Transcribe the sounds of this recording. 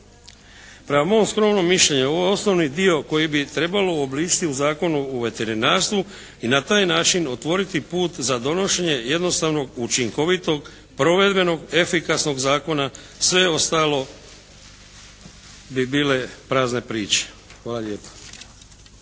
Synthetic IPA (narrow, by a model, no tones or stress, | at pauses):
pɾemamo̞skɾo̞mno̞miʃlʎe̞ɲeo̞ʋojeo̞sno̞ʋnid̪io̞ko̞jibit̪ɾe̞balo̞ːbliːt͡ʃi̥t̪iuzaːko̞nuoʋe̞t̪e̞ɾinaːɾst̪ʋu | inat̪aːjnaːt͡ʃino̞t̪ʋo̞ɾit̪ipuːt̪zad̪o̞no̞ʃe̞ɲe̞je̞d̪no̞st̪aʋno̞ɡut͡ʃiŋko̞ʋit̪o̞ɡ | pɾo̞ʋe̞d̪be̞no̞ɡe̞fikasno̞ɡzaːko̞na | sʋe̞o̞st̪aːlo̞ | bibiːle̞pɾaːzne̞pɾiːt͡ʃe̥ | xʋaːlaʎe̞ːpḁ